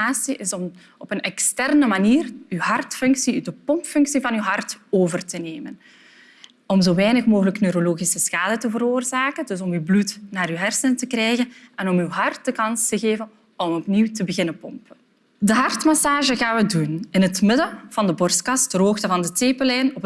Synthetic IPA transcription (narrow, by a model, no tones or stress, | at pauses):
aːsiʔɪsɔm | ɔpənɛkstɛrnəmaniːrywɦɑrtfɵŋksidəpɔmpfɵŋksivɑnywɦɑrtoːvərtəneːmən | ɔmzoːʋɛjnəxmoːɣələknøːɾoloːɣisəsxaːdətəvəɾoːrzaːkəndɵsɔmywblutnaːɾyɦɛrsəntəkrɛjɣənɛnɔmywɦɑrt̚dəkɑnstəɣeːvən | ɔmɔpniwtəbəɣɪnəpɔmpə | dəɦɑrtmasaːʒəɣaːnʋədunɪnɦətmɪdəv̥ɑndəbɔrstkɑstdərɦoːxtəvɑndəteːpəlɛjnɔp